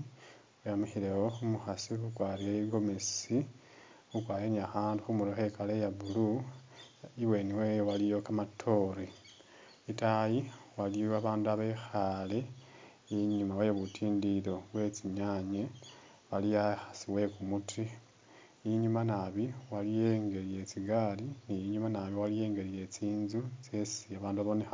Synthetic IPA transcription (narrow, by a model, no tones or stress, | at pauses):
ujamixiɾewoxumuxasixukwaːɾieɡo̞mesi | xukwaːɾeːɲiaxaːndixumuloxe̞kalejaβulu | iwe̞niwewalijo̞kamatʰo̞ɾi | itajiwalijoaβaːnduaβexale | iɲumawejoβutʰiːndiɾo̞βwe̞t͡siɲaɲe | βalijaxḁsiwe̞kumuti | iɲumanaβiwalijeːŋɡe̞ɾije̞t͡siɡaːliniiɲumanaβiwalije̞ːŋɡe̞ɾije̞t͡siːnzut͡sesiaβaːnduaβonexa